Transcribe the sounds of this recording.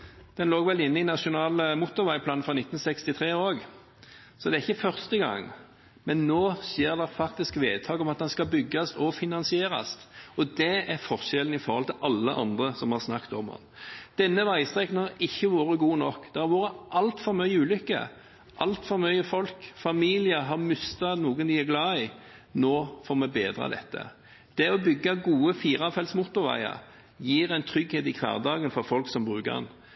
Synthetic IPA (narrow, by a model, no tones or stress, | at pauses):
d̪̥ɛnloːɡʋɛlɪnːəɪnɑʃʊnɑːləmʊt̪ːʊɾʋæɪpʰlɑːn̩fɾɑnɪt̪ːn̩sɛkst̪ɪt̪ʰɾeːoːɡ | sɔd̪ɛæɪçːəfœɾst̪əɡɑ̰ŋː | mɛnːoːsjeːɾd̪ɛfɑkt̪ɪskʋeːd̪̚t̪ʰɑːɡɔmɑt̪̚d̪ɛnskɑbʏɡːɑst̪ɔfɪnɑnsɪeːɾɑ̰st̪ɔd̪ɛæɾfɔʁʃɛlən̩ɪfɔɾhɔlt̪ʰɪlʔɑlːəʔɑ̰nd̪ʁəsɔmhɑʁsnɑkt̪ɔ̰mɑ̰nd̪̥ɛnːəʋæɪst̪ɾʁɛkən̩hɑɾɪçːəʋoːɾəɡuːnɔkːd̪̥ɛhɑɾʋoːɾəʔɑlt̪fɔɾmœʏəʉːlʏkːə̰ | ʔɑlt̪fɔɾmœʏəfɔlkfɑmiːlɪəɦɑmʏst̪ɑnuːɡənd̪ɪæɾɡlɑːɪ | noːfɔɾmɛbeːd̪ɾɑ̰d̪ɛ̰t̪ːə̰ | d̪̥ɛɔbʏɡːɑɡuːəfiːɾɑfɛlsmʊt̪ːʊɾʋæ̰ɪɑ̰ | jiːɾɛnt̪ʰɾʏɡheːt̪ɪkʰʋ̪ɑ̰ːʁd̪ɑːɡənfɔɾfɔlksɔmbɾʉːkə̰ɛ̰n